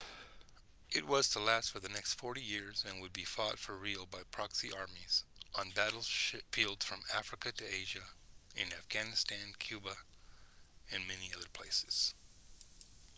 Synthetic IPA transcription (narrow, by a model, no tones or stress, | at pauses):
ʔɨt̚wʌz̥tʰəlæstfə˞ðɨnɛkstfɔɹɾijɪɹzɨ̃nwɨd̚bifɔtfə˞ɹilˠbaɪpʰɹ̥ɑksiʔɑɹmiz̥ʔn̩bæɾl̩ˠʃfilˠdz̥fɹʌ̃mæfɹɨkɨɾɨeɪʒɨɨ̰̃næfɡ̥ænɨstʰæ̃nkʰj̥ʉbə | ɨ̃nmɛniʌðə˞pʰl̥eɪsɨ̥z̥